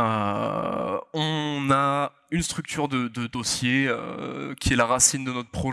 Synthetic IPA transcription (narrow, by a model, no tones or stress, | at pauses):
ø̰ | ɔ̃na | ynst̪χyk̚t̪yʁd̪əd̪əd̪osjeø̰kʲiɛlaʁasind̪ənɔt̪χə̥pχɔ